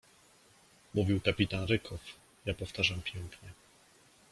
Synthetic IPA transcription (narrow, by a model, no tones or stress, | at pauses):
muvʲiwkapʲit̪anɾɘkʰɔf | japɔft̪aʐampʲjɛŋkɲɛ